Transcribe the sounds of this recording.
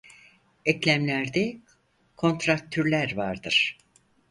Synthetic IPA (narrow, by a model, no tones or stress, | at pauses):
ɛclʲæmlʲæɾd̪ɛ | kʰo̞nt̪ɾak̚t̪ʰːyɾlʲæɾvaɾd̪ɯɾ̥